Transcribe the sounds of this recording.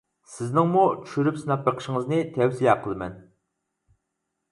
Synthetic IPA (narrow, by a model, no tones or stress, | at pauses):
sɪznɪŋmut͡ʃʰy̥ʃyɾypsɨnɑp̚bəqʰə̥ʃɪŋəznɨt̪ʰɛwsijɑqʰəlˠɨmɛ̰n